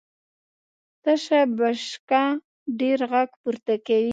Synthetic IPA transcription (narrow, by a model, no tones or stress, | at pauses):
t̪aʃabaʃka | ɖeɾɣaɡpuɾt̪akawi